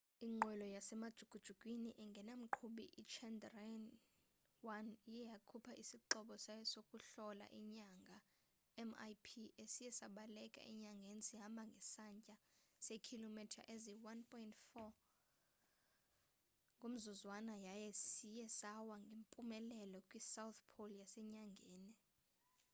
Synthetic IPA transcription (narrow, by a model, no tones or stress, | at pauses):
iŋ͡ǃwɛlɔjasɛmad̥ʒ̥ʱuɡ̥ʱud̥ʒ̥ʱuɡ̥ʼwiniʔɛŋɡʱɛnam̩ǃʰuɓḭʔit͡ʃʰɛndrɛn | wanjɛjakʰupʰaʔisiǃɔɓɔsajɛsokʼuɬɔla̰ʔiɲaŋɡʱa | ɛma̰jpʰiesijɛsaɓalɛkʼa̰ʔḭɲaŋɡʱenisiɦambʱaŋɡʱɛsaɲcʼasekʰilomitʰa̰ʔeziwanpʰʼɔjintfɔ | ŋɡʱom̩zuzwanajajɛsijɛsawaŋɡʱempʼumɛlɛlɔkʼwisawt̪pʰolijasɛɲaŋɡʱeːni